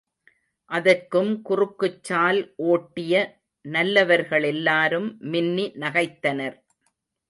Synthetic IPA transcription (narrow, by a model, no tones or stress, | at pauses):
ʔɐðɐɾkːɯmkʊrɯkːɯt͡ʃːaːlʔoːʈːɪjɐ | nɐlːɐʋɐɾɣɐɭɛlːaːɾɯmːɪnːinɐɣɐɪt̪ːɐnɐɾ